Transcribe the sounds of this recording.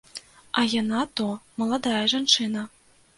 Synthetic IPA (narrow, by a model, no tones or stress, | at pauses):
ɐjanat̪ɔmɐlˠad̪ajɐʐant͡ʂɨnɐ